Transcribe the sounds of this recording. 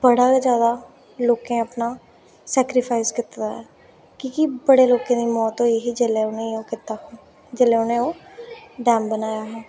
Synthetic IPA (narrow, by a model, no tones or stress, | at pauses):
bəɽaːad͡ʒjaːd̪aː | loːkẽːəpnaː | sɛːkɾɪpʰaːɪskɪt̪ːaɛː | kiːkibəɽeːloːkẽːd̪iːmɔːt̪oːeɦid͡ʒeleːʊnẽoːkɪt̪aːɛː | d͡ʒelẽːʊnẽːoːɖɛːmbənaːjaːɦɛː